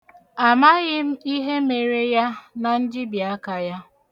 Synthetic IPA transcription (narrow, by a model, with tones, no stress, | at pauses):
a˨ma˦ɣɪ˦m̩˦i˦ɦe˦me˨ɾe˦ja˦na˨n̩˦d͡ʒɪ˦bja˦ka˨ja˦